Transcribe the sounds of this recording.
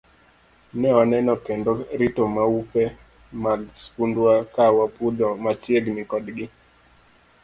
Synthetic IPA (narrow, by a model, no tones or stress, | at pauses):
nɛɔnɛnɔkɛndɔɾitomaupɛ | maspundwakawapud̪ɔmat͡ʃjeɡnɪkɔdɡɪ